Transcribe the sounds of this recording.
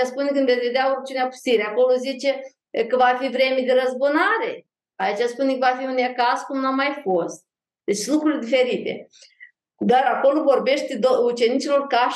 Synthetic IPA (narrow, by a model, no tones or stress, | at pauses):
aspunekɨnvesʲve̞d̪eaort͡ʃiuneapu̥st̪iɾeako̞lozit͡ʃe̞ | kəvafivɾe̞mid̪eɾəzbunaɾe | ait͡ʃaspunekəvafiunekaskumnuamːajfo̞st̪̚ | d̪e̞t͡ʃlukɾulʲd̪ife̞ɾit̪ḛ | d̪aɾako̞lo̞vo̞rbe̞ʃt̪ed̪out͡ʃe̞nit͡ʃilo̞rka